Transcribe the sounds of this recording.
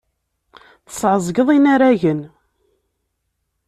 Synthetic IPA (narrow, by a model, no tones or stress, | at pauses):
θə̥sʕəzˤɡəðˤinaɾæʝən